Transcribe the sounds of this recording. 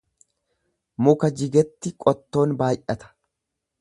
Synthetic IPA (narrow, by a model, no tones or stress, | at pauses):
mʊkɐd͡ʒɪɡɛt̪ːɪkʼɔt̪ːo̞ːnbaːʔʔɐt̪ɐ̥